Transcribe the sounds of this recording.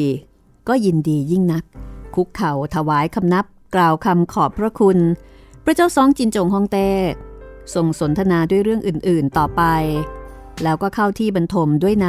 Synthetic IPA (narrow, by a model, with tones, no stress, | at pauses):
kɔː˥˩ji˧ndiː˧ji˥˩ŋna˦˥k̚ʰːu˦˥kʰːa˨˩wt̪ʰa˧waː˩˦jkʰa˧mna˦˥p̚klaː˨˩wkʰa˧mkʰɔː˨˩pʰɾa˦˥kʰu˧npʰɾa˦˥t͡ɕaː˥˩wsɔː˦˥ŋt͡ɕi˧nt͡ɕo˨˩ŋɦɔː˥˩ŋt̪ɛː˥˩so˨˩ŋso˩˦nt̪ʰa˧naː˧du˥˩jɾɯ˥˩əŋʔɯː˨˩nʔɯː˨˩nt̪ɔː˨˩pa˧j | lɛː˦˥wkɔː˥˩kʰa˥˩wt̪ʰiː˥˩ba˧nt̪ʰo˧mdu˥˩əjna˦˥